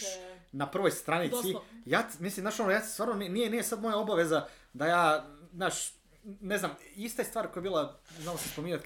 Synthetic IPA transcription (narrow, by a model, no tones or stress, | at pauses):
napr̩ʋo̞jst̪ɾanit̪sijaːt̪mislimzaːʃonojḁːst̪vaːɾnoninijenijesad̪mo̞jao̞baʋe̞za | d̪ajaːznaːʃ | ne̞znamist̪ajest̪ʋaːɾkojebiːlˠaznaːlosaspomiɲat̪